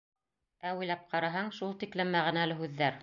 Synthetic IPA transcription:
æwɘjlæp̚qʰɑɾɑɦɑɴʃulˠt̪iklɘmːæʁɘ̆nælɘ̆ɦʉðːæɾ

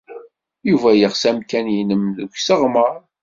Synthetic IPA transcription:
juvæjəʁsæmkænjinəmðəɡʷsəʁməɾˤ

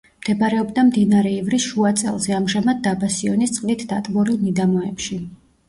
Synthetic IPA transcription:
md̪̥ɛbaɾɛɔbd̪amd̪inaɾɛivɾisʃuat̪sʼɛ̰lˠzɛamʒɛmad̪̚d̪abasiɔnist̪sʼqʼnit̪ʰd̪at̪ʼbɔɾinid̪amɔɛpʃi

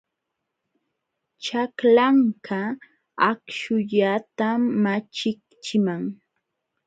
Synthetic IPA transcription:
t͡ʃaklaŋkʰa | akʃʊʎat̪amat͡ʃɪkt͡ʃɪmaŋ

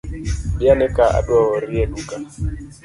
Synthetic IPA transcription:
ɓianɛkaa̰ɗwɔɔɾieɗuka

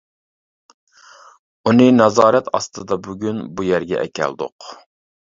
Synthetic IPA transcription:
unɨnɑzɑːɾɛt̪ɑ̰st̪ɨd̪ɑbuɡʲynbujæɾɡʲɛ̰ʔɛkʲɛ̰ld̪ʊ̰q

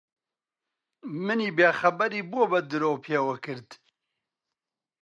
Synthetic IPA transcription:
mɨniːbeːxɐbɛɾiːbubɐd̪ɨɾoːpʰjeːwɐkɨɾd̪

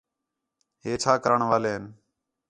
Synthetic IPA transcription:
ɦeːt͡ʃʰaːkəɾəɳʋaːleːɦən

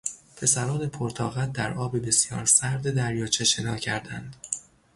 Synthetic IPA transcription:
pʰe̞sæɾɒːne̞pʰoɾt̪ʰɒ̰ːɣæt̪̚d̪æɾɒːbebe̞sjɒ̰ːɾsæɾd̪ed̪æɾjɒːt͡ʃʰeʃe̞nɒːcʰæɾd̪ænd̪̥

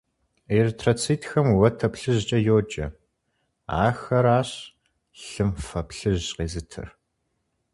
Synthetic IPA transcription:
ertʰrɐt͡sʰiːtʰxɐmwɐtʰɐpɬɨʑt͡ʃʼɐjoːd͡ʒʼɐ̰ | a̰ːxɐɾaːɕ | ɬɨmfɐpɬɨʑqeːzɨtʰɨ̰r

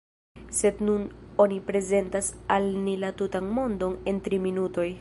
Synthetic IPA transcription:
se̞dnuno̞nipɾe̞ze̞ntasalnilatutanmo̞ndo̞ne̞ntɾiminuto̞j

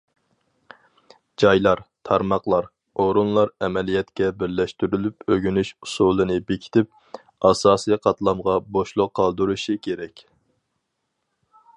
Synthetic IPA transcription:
d͡ʒɑjlˠɑɾt̪ʰɑɾmɑqlˠɑɾ | oɾunlˠɑɾɛmɛlijɛt̪kʲɛbɪɾlɛʃt̪yɾylypøɡʲynyʃu̥sulˠɨnɨbekʲʰi̥t̪ʰɪp̚ | ɑsɑːsɨjqʰɑt̪lˠɑmʁɑboʃlˠʊqʰːɑlˠd̪uɾuʃikʲʰeɾɛkʲ

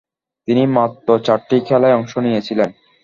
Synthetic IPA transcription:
t̪inimat̪ːot͡ɕaɾʈikʰɛlaeɔŋʃonijet͡ɕʰilen

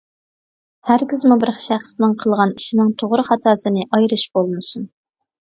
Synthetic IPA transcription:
hæɾkʲizmubɪɾχʃæχsnɪŋqʰəlˠʁɑniʃinɪŋt̪ʰoʁɾɨχɑt̪ʰɑːsɨnɨʔɑjɾɨʃbolˠmɨsun

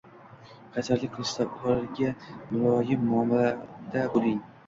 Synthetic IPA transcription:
qʰɑt̪ʰaɾlɪk̚ʲqʰɨlˠɪʃt̪aɒɾɪɾɡʲamʊɾɒjɪmːʊɒmlad̪abolɪŋ

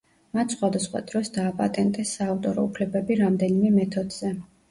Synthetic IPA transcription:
mat̪ʰsχwad̪asχwa̰d̪ɾɔsd̪aːpʼa̰t̪ʼɛnt̪ʼɛsːaːft̪ʼɔɾɔ̰upʰlɛbɛbiɾamd̪ɛnimɛmɛt̪ʰɔd̪z̥ɛ

